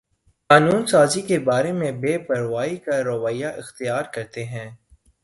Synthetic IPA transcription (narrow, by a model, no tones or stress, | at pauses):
xaːnuːnsaːzikebaːɾemẽbeːpɐɾʋaːikaɾɐʋaːjaʔɪxt̪ijaːɾkɐɾt̪eɦɛ̃ː